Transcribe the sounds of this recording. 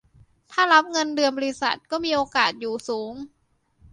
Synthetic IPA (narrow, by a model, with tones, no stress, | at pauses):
t̪ʰaː˥˩ɾa˦˥p̚ŋɤ˧ndɯ˧ənbɔː˧li˦˥sa̰˨˩t̪̚kɔː˥˩miː˧ʔoː˧kaː˨˩t̪̚juː˨˩suː˩˦ŋ